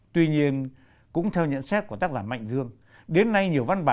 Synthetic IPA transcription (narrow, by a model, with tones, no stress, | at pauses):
t̪wi˧ɲi˧ən | kʊ̰˧˥ŋ͡mt̪ʰɛ˧wɲə̰˧˨nsɛ˦˥t̚kət̪aː˦˥k̚zaː˧˩nma̰˧˨jŋ̟zɨ˧əŋ | ɗe˨˦nːa˧jɲi˨˩əwva˧nɓaː˨